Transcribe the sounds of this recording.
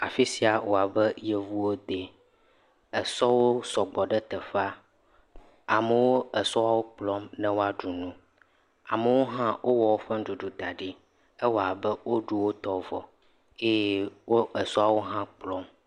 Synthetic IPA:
a˨fi˦si˨a˨wo˨a˨bɛ˦je˨vu˦wo˦d̪e˨ | ɛ˨sɔ˦wo˦sɔ˨ɡ͡bɔ˨ɖɛ˦t̪ɛ˨ɸa˦ | a˨mə˨wo˦ɛ˨sɔ˦a˨wo˦k͡plɔ˦mnɛ̃˦wo˦a˨ɖu˨nũ˦ | a̰˨mə˨wo˦ɦã˦wʔo˦wɔ˨wo˦ɸɛ˦ɖu˨ɖu˨d̪a˨ɖi˦ | ɛ˦wo˦˨a˨bɛ˦wo˦ɖu˦wo˦t̪ɔ˦vɔ̰˨ | e˦jɛ˦wo˦ɛ˨sɔ˦a˨wo˦ɦã˦k͡plɔ˦m

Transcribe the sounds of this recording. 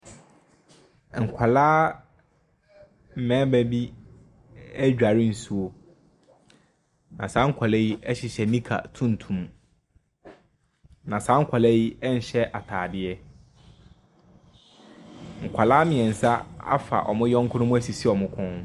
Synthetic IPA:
ŋ̩˨kʷʰa˨laː˦ | m̩˨mɛ̃ː˨˦bɛ˨bi˦ | æ˦d͡ʑᶣa˨ɾɪ˦n̩˨su˦o˦ | nã˨sãː˨˦ŋ̩˦kʷʰa˨lɛ˦ji˦ɛ˦ɕɪ˨ɕɛ˨nĩ˦kʰa̰˨tʰũ˦n̩˨tʰũ˨m | nã˨sãː˦ŋ̩˦kʷʰa˨lɛ˦ji˦ɛ˦n̩˨ɕɛ˦ʔa˨tʰaː˨dɪ˦ɛ˦ | ŋ̩˨kʷʰa˨laː˦mɪ̃˨ɛ̃˨n̩˨sa˦a̰˦fa̰˨ʔɔ̰˨mʊ̃˦jɔ̃˦ŋ̩˦kʰʊ˦nʊ̃˦mʊ̃˦æ˦si˨si˦ɔ˨mʊ̃˦kʰʊ̃˦

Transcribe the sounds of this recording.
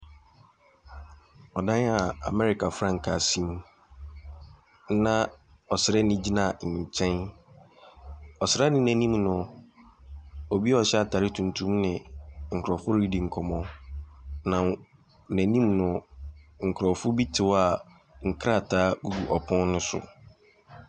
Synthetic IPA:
ɔ˨dã˦a˨a̰˨mɛ˦ɾi˨kʰa˨fɾã˦˨ŋ˨kʰa˨sĩ˦m˦ | nã˨ | ɔ˨sɪ˨ɾɛ˦nɪ̃˦d͡ʑi˦nã˦˨ɲ̩˨ɲ˨t͡ɕʰɛ̃˦n | ɔ˨sɪ˨ɾa˦nɪ̃˦nɛ̃˨nĩ˦mnʊ̃˨ | o˨bi˦ɔ˨ɕɛ˦a˨tʰa˨ɾɪ˦tʰũ˨ntʰũ˦mnɪ̃˨ŋ̩˨kʰɾɔ˨fʊ˦ɾi˦di˨ŋ̩˨kʰɔ˨mɔ̃˦ | nã˨ | næ̃˨nĩ˦mnʊ̃˨ŋ̩˨kʰɾɔ˨fʊ˦bi˦tʰɪ˨wa˨ | ŋ̩˨kʰɾa˦˨tʰaː˨˦ɡu˦ɡu˨ʔɔ˨pʰɔ̃˦n˦nʊ̃˦sʊ̰˨

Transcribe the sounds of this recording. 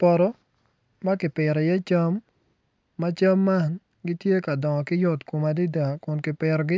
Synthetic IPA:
pɔ˨ɾɔ˦ | ma˦kɪ˨pɪ˨ɾɔ˨jɛ˦t͡ʃa˦mː | a˦t͡ʃa˦mːa˦˨n | ɡɪ˦tje˦ka˨dɔ˨ŋɔ˨kɪ˦jʊ˦tku˨ma˨di˦da˨kʊ˨nkɪ˨pɪ˨ɾɔ˨ɡɪ˦

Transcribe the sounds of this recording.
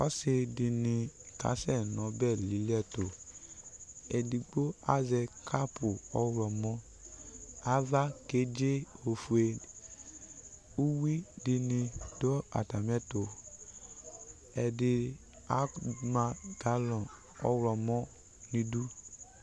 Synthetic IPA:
ɔ˦se˧di˧nĩ˧ka̰˨˦sɛ˦˨nɔ̃˨˦bɛ˦˨li˨˦lɛ˦˨to˨ | ɛ˨di˧ɡ͡bo˦a̰˦zɛ˧kʰa˦pu˨ɔ˦wɾɔ˨mɔ̃˦ | a˨˦va˦ke˨˦d͡ʒe˦o˧fu˧e˧ | u˦wi˦di˧nĩ˧do˦a̰˨ta˨mɛ˦˨to˨ | ɛ˨di˧ | a˦ma˧ɡ̥a˦lɔ̃˨ | ɔ̰˦wɾɔ˧mɔ̃˦ | nĩ˧du˦

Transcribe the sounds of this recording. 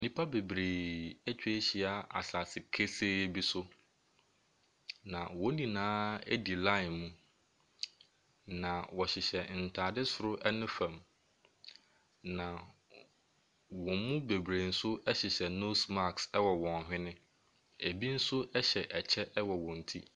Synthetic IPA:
nĩ˦pʰa˦be˨bɾeː˨ɛ˦t͡ɕᶣe˦ɕi˨a˨a̰˨sa˨sɪ˨kʰe˦se˦bi˦sʊ˦ | nã˨wɔ̃˦nĩ˨nãː˦ḛ˦di˨lã˦ɪ˨nmũ˦ | nã˨wɔ˨ɕɪ˨ɕɛ˨n̩˨tʰaː˨dɪ˦sʊ˨ɾʊ˦ʔɛ˦nʊ̃˦fã˨m | nã˨ | wɔ̃˨˦mũ˦be˨bɾeː˨n̩˦sʊ˦ɛ˦ɕɪ˨ɕɛ˨no˦sma˦ksɛ˦wɔ˨wɔ̃˨n˨ɦᶣɪ̃˦nɪ̃˦ | e˨bi˦n̩˦sʊ˦ʔɛ˦ɕɛ˨ʔɛ˨t͡ɕʰɛ˦ʔɛ˦wɔ˨wɔ̃˨n̩˨tʰi˦

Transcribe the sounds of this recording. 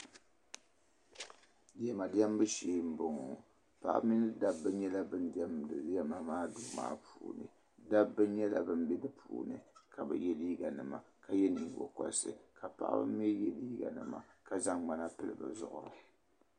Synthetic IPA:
dɪ˨ɛ˦ma˨dɪ˦ɛ˦m˦bɨ˦ʃeː˦m̩˦bʊ˨ŋɔ˨ | pa̰˨ʔmi˦nɨ˦da˦bːɨ˦ɲɛ˦la˦bɨ˦n˦dɛ˦mdɨ˨djɛ˦ma˨maː˦duː˦ma̰ː˦pʰuː˨nɨ̰˨ | da˦bːɨ˦n˦ɲɛ˦la˨bɨ˦mbɛ˦dɨ˦pʰuː˨nɨ˨kʰa˨bɨ̰˨jɛ˦liː˦ɡa˨nɨ˨ma˨ | ka˨jɛ˦ni˨ŋ˨ɡɔ̰˨kɔ̰˨lsɨ˨ka˨pa̰˨ʔbɨ̰˦m˦ɛ˦jɛ˨liː˦ɡa̰˨nɨ˨ma̰˨ka˨za˦ŋɡ͡ba˦na˦pɨ˦lɨ̰˨ba̰˨zʊ̰˨ʔʊ˦˨ɾɨ̰˨

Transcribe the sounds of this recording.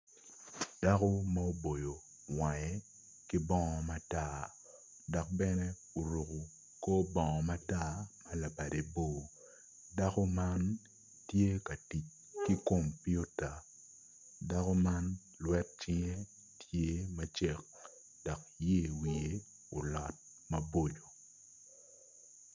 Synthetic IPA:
d̥a˦ko˦ma˦o˦bo˨jo˨ | wa˨jɛ˨ | kɪ˦bɔ˦ŋɔ˨ma˦ta˦˨ | dɔ˨k̚bɛ˦nɛ˦ | o˨ɾu˨ku˨ | ko˦bɔ˨ŋɔ˨ma˦ta˦mɐ˦la˨ba˨de˨bo˦˨ | da˦kɔ˦ma˦n | tje˦ka˨ti˨t͡ʃ | ki˦ko˨mpi˦u˦ta˨ | da˦kɔ˦ma˦n | lwɛ˦t̚t͡ʃɪ˦ŋe˦ | tʰje˦mɐ˦t͡ʃe˦k̚ | d̥ɔ˨kje˦˨wi˨e˨˦ | o˨lɔ˨t̚ | mɐ˦bo˦˨d͡ʒo˨

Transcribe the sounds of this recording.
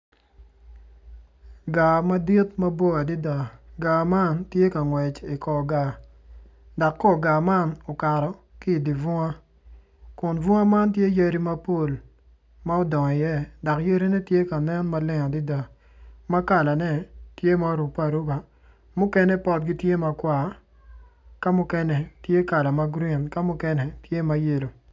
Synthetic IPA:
ɡa˨ma˦di˦tma˦bo˦a˨di˦da˨ɡa˨ma˦ntje˦ka˨ŋwɛ˨t͡ʃi˨kɔ˨ɡa˨ | dɔ˨kːɔ˦ɡa˨ma˦no˨ka˨ɾɔ˨ki˦˨di˨vʊ˦ŋa˦ | kʊ˨nvʊ˦a˦ma˦nt̬je˦je˦ɾi˦ma˦po˦˨l | ma˦o˦dɔ˨ŋ˨jɛ˦dɔ˨kje˦ɾi˦nɛ˦tje˦ka˨nɛ˦nma˦lɪ˦ŋɔ˨di˦da˨ | ma˦ka˨la˨nɛ˦tje˦ma˨ɾu˨pa˦˨ɾu˦ba˨ | mʊ˦kɛ˦nɛ˦pɔ˦t̚ɡi˦tje˦ma˨kwa˨ | ka˦mʊ˦kɛ˦nɛ˨tje˦ka˨la˨ma˦ɡɾi˦˨nka˦mʊ˦kɛ˦nɛ˨tje˦ma˦je˦˨lo˨

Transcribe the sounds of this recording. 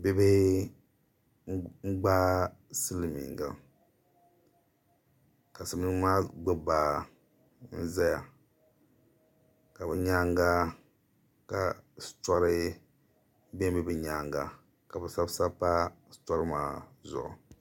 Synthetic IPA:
be˦bɛ˦ | ŋ͡m̩˦ɡ͡ba˦sɨ˦lmḭ˨ŋɡa̰˨ | ka˨sɨ˨m˦nɨ˦maː˦ɡ͡bʊ˦baː˨ | n̩˦za˦ja˨ | ka˨bɛ˨ɲa˦ŋɡa˦ | ka̰˨sta˦ɾɨ˦ | be˦m˦bɛ˦bɛ˨ɲaː˦ŋɡa˨ | ka˨bɛ˨sa˦bsa˦pa˦sta˦ɾɨ˦maː˦zʊ̰˨ʔʊ̰˨

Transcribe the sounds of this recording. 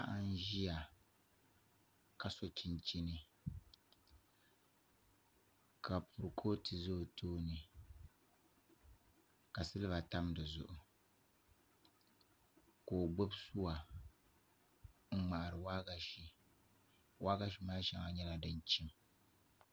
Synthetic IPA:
a˦ʔa˦n˦ʒi˦ja˨ | ka˨so˦t͡ʃi˦nt͡ʃi˦nɨ˦ | kʰa˨pʰʊ˨ɾɨ˨kʰoː˦ti˨zoː˦˨tʰoː˦nɨ˨ | ka˨sɨ˦lɨ˦ba˨ta˦mdɨ˨zʊ̰˦ʔʊ˨ | koː˨ɡ͡bo˦bsu˦wa˨ | ŋ͡m̩˦ŋ͡ma˨ʔa˨ɾɨ˨wa˦ɡa˨ʃi˨ | wa˦ɡa˦ʃi˦maː˦ʃɛ˦ŋa˨ɲɛ˦la˨dɨ˦nt͡ʃi˦m

